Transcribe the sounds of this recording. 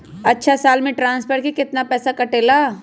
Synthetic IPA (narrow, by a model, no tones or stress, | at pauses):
ɐtːʃʰasaːlmẽʈɾãːnspʰəɾkikɪt̪napɛːsakɐʈeːlaː